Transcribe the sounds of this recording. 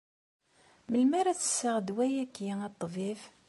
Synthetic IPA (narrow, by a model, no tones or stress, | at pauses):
məlmæɾæθə̥sːaʁd̪wæjækːjiæt̪ˤːvif